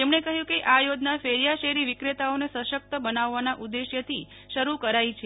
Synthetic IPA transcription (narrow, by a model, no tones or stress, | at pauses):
t̪emɳekəɦjũkeʔajod̪nafeɾjaʃeɾiʋikɾet̪aonesəʃək̚t̪əbənaʋːanaʔud̪ːeʃjət̪ʰi | ʃəɾukəɾait͡ʃʰe